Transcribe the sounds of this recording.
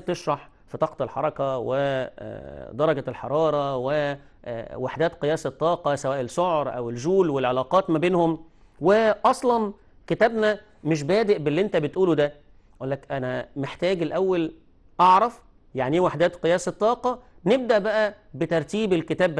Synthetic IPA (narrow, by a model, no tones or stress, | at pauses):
t̪eʃɾˤɑħ | fit̪ɑːqt̪ˤɑlħɑ̰ɾˤɑkɑwḛ | d̪ɑɾˤɑɡælħɑ̰ɾˤɑːɾˤɑwe | waħd̪æːt̪qejæːset̪ˤːɑːqɑsæwæːʔelʃoʕɾˤʔæ̰welʒuːlwelʕelɑːqɑːt̪mæbeːnhom | weʔɑsˤlɑn | ket̪æːbnæ | meʃ̬bæːd̪eʔbelːiːʔent̪æbet̪ʔuːlud̪æ | ʔulːækʔænæmeħt̪æːɡelʔæwːæl | ʔɑʕɾˤɑf | jaʕniwaħd̪æːt̪qɨjæːset̪ˤːɑːqɑneb̚d̪æʔbæʔæ | bet̪ɑɾˤt̪iːbelket̪æːbbæ